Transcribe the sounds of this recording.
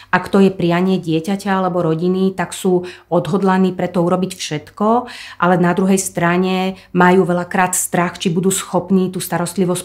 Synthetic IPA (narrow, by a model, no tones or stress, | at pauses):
ʔakt̪ɔjɛpɾiɪaɲɪɛɟɪɛcacaalɛbɔɾɔɟinit̪aksuːɔd̪ɦɔd̪laniːpɾɛt̪ɔuɾɔbicfʃɛt̪kɔʔalɛnad̪ɾuɦɛjst̪ɾaɲɛ | majuːʋɛlakɾaːt̪st̪ɾaxt͡ʃibud̪uːsxɔpniːt̪uːst̪aɾɔst̪liʋɔsc